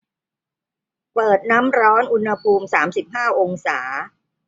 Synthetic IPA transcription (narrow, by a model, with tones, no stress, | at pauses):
pɤː˨˩t̪̚na˦˥mɾɔː˦˥nʔu˧nha˧pʰuː˧msaː˩˦msi˨˩p̚ɦaː˥˩wʔo˧ŋsaː˩˦